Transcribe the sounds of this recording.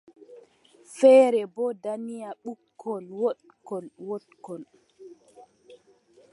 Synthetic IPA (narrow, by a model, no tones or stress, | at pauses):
fɛːɾɛbɔdanijaɓukʰːɔlwɔɗ | kɔlwɔɗkɔl